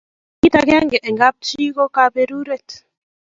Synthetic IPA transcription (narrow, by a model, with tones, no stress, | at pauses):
ki˦ta˨kɛ˦ŋɡɛ˨ʔɛ˨ŋɡa˦p̚t͡ʃi˦kɔ˦ka˨be˦ɾu˦ɾɛ˦˨t